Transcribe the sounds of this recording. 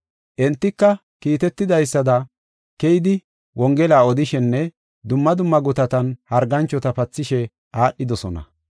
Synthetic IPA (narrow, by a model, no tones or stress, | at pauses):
ʔɛnt̪ːɪkːɐ | kiːt̪ɛt̪ːɪd̪ɐjsːɐd̪ɐ | kɛjɪd̪ɪ | wɔŋɡɛlaːɔd̪ɪʃɛnːɛ | d̪ʊmːɐd̪ʊmːɐɡʊt̪ɐt̪ɐnhɐɾɡɐnt͡ʃːɔt̪ɐpɐt͡sːɪʃɛ | ʔaːʔːɪd̪ɔsɔnɐ̰